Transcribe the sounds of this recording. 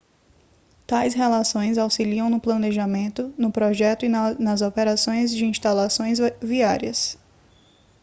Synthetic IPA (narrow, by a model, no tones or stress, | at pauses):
t̪ajshelasõj̃zawsiliɐ̃w̃nʊplɐ̃neʒamẽnt̪ʊnʊpɾɔʒɛt̪ʊinɐzɔpɛɾasõj̃zd͡ʒɪĩʃt̪alasõj̃zviaɾiɐs